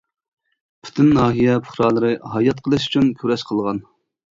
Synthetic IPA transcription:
pʰy̥t̪ʰynnɑːɦijɛpʰʊχɾɑːlˠəɾɨhɑjɑt̪̚qʰəlˠɨʃy̥t͡ʃʰynkʲʰyɾɛʃqʰəlˠʁɑn

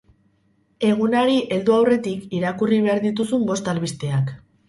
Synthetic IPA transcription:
e̞ɣ̞unaɾiʔe̞ld̪uawre̞t̪ikiɾakuriβ̞e̞aɾðit̪̬usumbo̞st̪alβist̪e̞ak

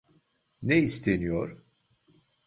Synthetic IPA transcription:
neist̪ʰenijo̰ɾ

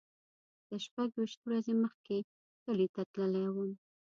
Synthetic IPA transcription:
d̪̥əʃpaɡweʃt̪wɾazeməxke | t̪əlit̪at̪ləlawəm

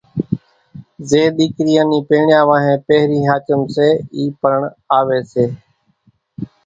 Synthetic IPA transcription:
zeːɗ̪iːkɾiːãːniːpeːɳjaːʋãːɦẽːpeːɦɾiːɦaːt͡ʃəmseːiːpəɾəɳ | aːʋeːseː

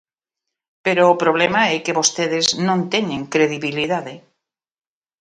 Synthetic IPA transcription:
peɾoːpɾoβ̞lemaɛkeβost̪eðeznõnt̪eɲẽŋkɾeðiβiliðaðe

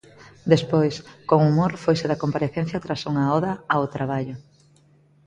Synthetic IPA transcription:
d̪espojskoŋumoɾfojseðɐkompaɾeθẽn̟θjat̪ɾasuŋɐɔðɐaot̪ɾaβaʎo

